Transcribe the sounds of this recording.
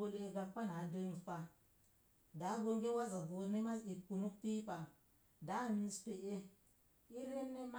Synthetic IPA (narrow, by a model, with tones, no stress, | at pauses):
o˦le˦ɡa˨pːa˦na˨˦de˦n˨fa˨ | da˨˦ɡo˦ŋɡe˦wa˦za˨bu˨ɾne˦ma˦si˨ku˨nu˦kpi˦pa˨ | da˨˦˨mi˦n˦spe˨ʔe˦ | i˦ɾe˦nːe˦ma˦